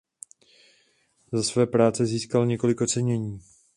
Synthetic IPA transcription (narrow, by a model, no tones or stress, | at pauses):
zasvɛːpɾaːt͡sɛziːskalɲɛko̞lɪko̞t͡sɛɲɛɲiː